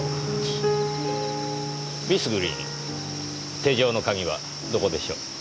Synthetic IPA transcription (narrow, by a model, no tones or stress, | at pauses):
bʲisɨɡɯɾʲḭɲḭ | t̪e̞ːʑo̞ːnokaɡʲiβa̰ | d̪o̞ko̞d̪e̞ɕo̰ː